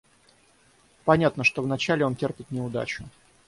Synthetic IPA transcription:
pɐnʲat̪nəʂt̪o̞vnɐt͡ɕælʲɪo̞ntʲerpʲɪt̪nʲɪʊd̪a̰t͡ɕʊ

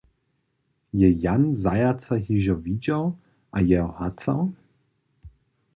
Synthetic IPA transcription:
jɛjanzajat͡saɦiʒɔvid͡ʒaw | ʔajɛɔhat͡sa̰w

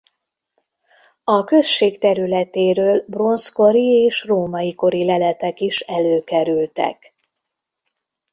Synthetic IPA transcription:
ɒkø̞ʃʃːeːkt̪ɛɾylɛt̪eːɾøːlbro̞nsko̞ɾieːʃroːmɒjiko̞ɾilɛlɛt̪ɛkiʃɛløːkɛɾylt̪ɛ̰k

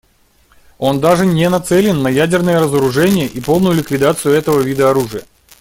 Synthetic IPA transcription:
o̞nd̪aʐɨnʲɪnɐt̪sɛlʲɪnːɐjædʲɪrnɨjəɾəzəɾʊʐɛnʲɪjəʔipo̞lˠnʊjʊlʲɪkvʲɪd̪at̪sɨjʊɛt̪əvəvʲid̪əɐɾuʐɨjə

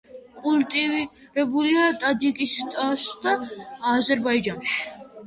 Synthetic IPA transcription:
kʼult̪ʼiv | ɾɛbuliat̪ʼad̪ikʼist̪ʼasd̪aːzɛɾbaid͡ʒanʃi̥

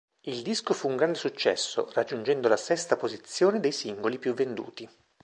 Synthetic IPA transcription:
ild̪iskofuːŋɡɾand̪esut͡ʃːɛ̰sːo̰rad͡ʒːund͡ʒɛnd̪olasɛst̪apozit̪sːjoːned̪ejsiŋɡolipjuvːend̪ṵːt̪i

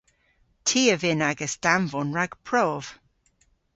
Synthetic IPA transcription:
tʰiːəvɪnaɡəsd̥aɱvɔnɹaɡ̥pʰɹ̥ɔv̥

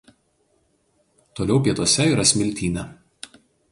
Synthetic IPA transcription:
t̪oːlʲɛʊpʲiɛt̪oɔsʲɛiːɾɐsʲmʲɪlʲt̪ʲiːnʲɛ

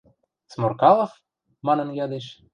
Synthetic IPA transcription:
t͡smorkɑlˠɤ̆f | mɑnɤ̆njɑd̪eʃ

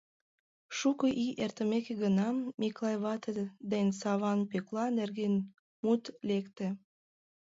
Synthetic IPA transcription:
ʃukəʔiʔert̪əmekeɣənɑmːiklˠɑjβɑt̪ed̪ensɑβɑnpøklɑnerɣen | mut̪lekt̪ĕ

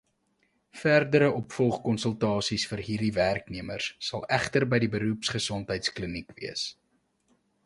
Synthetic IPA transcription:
færdəɾəʔɔpfɔlˠχkɔnsəlˠtɑːsisfərɦiːrdiværkniəmərsːɐlˠæχtərbəjdibəɾupsχəsɔntɦəjtsklənikviəs

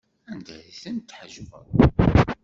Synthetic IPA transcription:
ænd̪æ̰ðiθənt̪ːħʒvə̰ðˤ

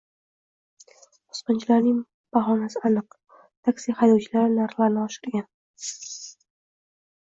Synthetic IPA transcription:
qʊ̥sqɨnt͡ʃʰlaɾnɪŋ | b̥aχɒnasɪanɨq | t̪ʰakʲsiχajd̪ɒwt͡ʃʰɪlaɾɪnaɾχlaɾnɪɒʃɪ̥ɾɡʲan

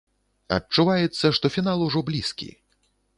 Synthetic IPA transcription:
ɐ̰t͡ʂːuvajɛt̪sːɐʂt̪ɔfʲin̪alˠuʐɔblʲiskʲḭ

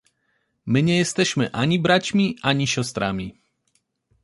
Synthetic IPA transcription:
miɲɛjɛst̪ɛʃmɛʔaɲibɾacmiʔaɲiʃɔst̪ɾa̰mi

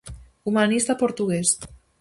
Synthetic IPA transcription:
umanist̪apoɾt̪uɣes

